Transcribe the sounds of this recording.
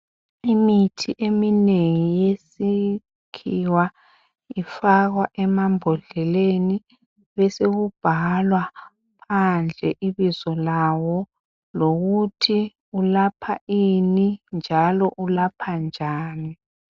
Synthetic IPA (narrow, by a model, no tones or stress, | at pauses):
imitʰiʔemineŋijesi | kʰiwa | ifaɣwaʔɛmambʱɔɮɛleni | βɛseɣub̥ʱalwa | pʰand͡ɮʱɛʔiβizɔlawɔ | loɣutʰi | ulapʰaʔinind͡ʒʱalɔʔulapʰand͡ʒʱaːni